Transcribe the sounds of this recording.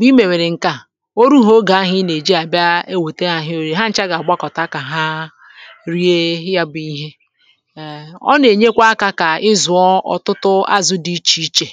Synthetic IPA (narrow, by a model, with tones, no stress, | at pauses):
ɡ͡bi˦me˨we˨ɾe˨ŋ̩˨ka˨ | o˦ɾu˦ɦo˦ɡa˨a˦ɦɪ˦ne˨d͡ʒi˦a˨bja˦e˦we˨te˦ɦa˨ɦɪ˦o˨ɾe˦ɦa˦n̩˦t͡ʃa˦ɡa˨a˨ɡ͡ba˦kɔ˨ta˦ka˨ɦa˦ | ɾi˦e˦ja˦bi˦ɦe˦˨ | ɔ̰˦ne˨ɲe˦kʷa˦ka˦ka˨ɪ˦zʊ˨ɔ˦ɔ̰˨tʊ˦tʊ˦a̰˦zʊ˦di˨˦t͡ʃi˦t͡ʃe˨